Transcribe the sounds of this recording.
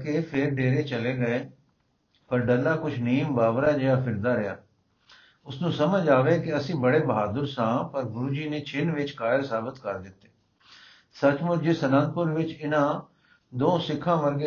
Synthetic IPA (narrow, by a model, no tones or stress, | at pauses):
kepʰɪɾɖeːɾeːt͡ʃəleːɡəeː | pəɾɖəlːaːkʊt͡ʃʰniːmbaːʋɾaːd͡ʒɪjaːpʰɪɾd̪aːɾɪja̰ː | ʊsnũːsəməd͡ʒaːʋeːkɪəsĩːbəɽeːbəɦaːd̪əɾsãːpəɾɡʊɾuːd͡ʒiːneːt͡ʃʰɪnʋɪt͡ʃkaːjəɾsaːbɪt̪kəɾd̪ɪt̪ːe̥ː | sət͡ʃmʊɾd͡ʒiːsənə̃nt̪̚pʊɾʋɪt͡ʃɪnãː | d̪õːsɪkʰːãːʋəɾɡeː